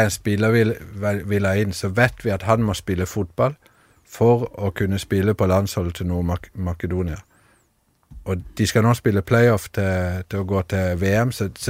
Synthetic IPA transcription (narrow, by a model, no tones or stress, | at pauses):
æɪnspɪlːəʋɪlʋʋɪlæɪnːsɔʋɛɪt̪ʋɪɑt̪hɑnmɔspɪlːəfʊt̪̚bɑl | fɔɾɔkʰʉnːəspɪləpʰɔlɑnshɔlt̪ʰɪnuːmmɑkəd̪uːnɪɑ | ʔɔd̪̥ɪskɑnɔspɪlːəpʰlæɪɔft̪ʰɪt̪ʰɪɔɡoːt̪ʰɪʋeːɛmsɔs